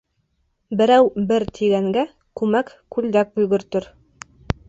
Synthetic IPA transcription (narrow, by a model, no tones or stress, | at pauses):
bɘ̆ɾæwbɘɾt̪ʰiɡæŋɡæ | kʉmækkʉld̪æk̚bujɡɵ̆ɾt̪ɵɾ